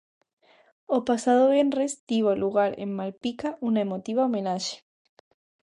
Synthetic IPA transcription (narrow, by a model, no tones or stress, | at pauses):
opasaðoβenresd̪iβoaluɣaɾḛmmalpikaʔunaemot̪iβaomenaʃe̥